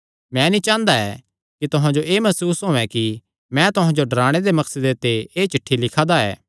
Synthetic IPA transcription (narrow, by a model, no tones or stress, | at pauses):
mɛ̃nĩt͡ʃãːnd̪aɛ | kit̪ʊɦãd͡ʒoʔeːmɐsuːsɦõːɛ̃ki | mɛ̃t̪ʊɦãd͡ʒoɖɐɾaːɽ̃ed̪emɐksəd̪et̪eeːt͡ʃɪʈʰːilɪkʰad̪aɛ̰ː